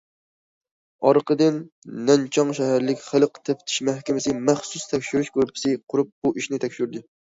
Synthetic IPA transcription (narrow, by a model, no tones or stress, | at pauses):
ɑɾqʰəd̪ɨnː | ɛnt͡ʃʰɑŋʃɛɦæɾlɪkʲχəlˠəqt̪ʰɛpt̪ʰɪ̥ʃmæhkʲɪmɪsɪmæχsust̪ʰɛkʲʃyɾyʃkøɾpʰɪ̥sɪqʰʊɾup̚b̥uʔiʃnɪt̪ʰɛkʲʃyɾd̪ɨ